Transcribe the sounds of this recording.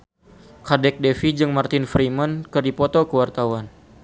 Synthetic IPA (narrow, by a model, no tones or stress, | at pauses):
kadɛk̚dɛfid͡ʒɨŋmart̪ɪnfɾimənkɨrdipɔt̪ɔkəwart̪awan